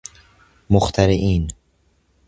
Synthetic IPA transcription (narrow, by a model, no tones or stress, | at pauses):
moxt̪ʰæɾeʔiːn